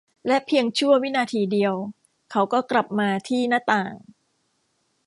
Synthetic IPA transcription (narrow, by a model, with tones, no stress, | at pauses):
lɛ˦˥pʰi˧əŋt͡ɕʰu˥˩əwi˦˥naː˧t̪ʰiː˧di˧əw | kʰa˦˥wkɔː˥˩kla˨˩p̚maː˧t̪ʰiː˥˩naː˥˩t̪aː˨˩ŋ